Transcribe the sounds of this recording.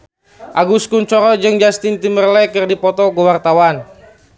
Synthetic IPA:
ʔaɡuskunt͡ʃɔɾɔd͡ʒɨŋd͡ʒast̪int̪imərlɛkɨrdipɔt̪ɔkəwart̪awan

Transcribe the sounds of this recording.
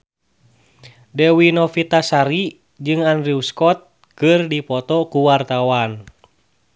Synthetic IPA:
dɛwinɔfit̪asaɾi | d͡ʒɨŋandɾiuskɔt̪̚ | kɨrdipɔt̪ɔkuwart̪awan

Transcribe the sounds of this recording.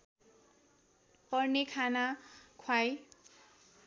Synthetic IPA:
pʌrnekʰanakʰwaj

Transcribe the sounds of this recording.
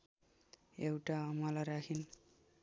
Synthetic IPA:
ewʈaʌmʌlaɾakʰin

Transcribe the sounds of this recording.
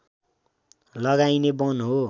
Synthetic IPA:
lʌɡajnebʌnɦo

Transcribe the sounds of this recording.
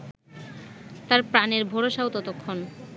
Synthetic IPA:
t̪aɾpɾaneɾbʱoɾoʃawt̪ɔt̪okʰːon

